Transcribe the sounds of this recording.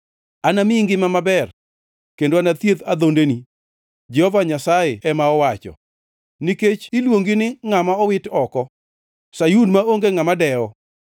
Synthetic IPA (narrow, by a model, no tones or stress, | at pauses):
anamiiŋɡɪmamabɛr | kendoanat̪jet̪ad̪ondeni | d͡ʒɛhɔvaɲasajeɛmaɔwat͡ʃɔ̰ | niket͡ʃɪlwoŋɡɪnɪŋamaɔwɪtɔkɔ | sajunmaoŋɡeŋamadɛɔ